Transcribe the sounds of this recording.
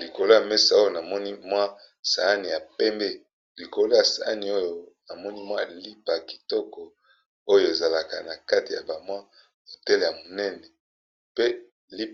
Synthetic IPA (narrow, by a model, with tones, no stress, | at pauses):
li˨ko˨lo˦ja˨me˦sa˨o˦jo˨na˨mɔ˦ni˦mwa˦ | sa˨˦ni˨ja˨pɛ˦mbe˦ | li˨ko˨lo˦ja˨sa̰˨a˦ni˨o˦jo˨na˨mɔ˦ni˦mwa˦li˦pa˨ki̥˨tɔ˦kɔ˨ | o˦jo˨e˨za˨la˨ka̰˨na˨ka˦ti˨ja̰˨ba˨mwa˦ | mo˨tɛ˦le˨a˨mo˨nɛ˦nɛ˨ | pe˦ | li˦